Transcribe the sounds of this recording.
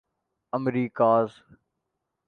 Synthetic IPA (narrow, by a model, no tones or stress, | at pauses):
əmɾiːkaːz